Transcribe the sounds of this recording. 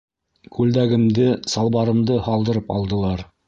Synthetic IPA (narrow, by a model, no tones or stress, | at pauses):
kʉld̪æɡɘ̆md̪ɘsɑlˠbɑɾɤ̆md̪ɤhɑlˠd̪ɤ̆ɾɤpɑ̰lˠd̪ɤ̆lˠɑɾ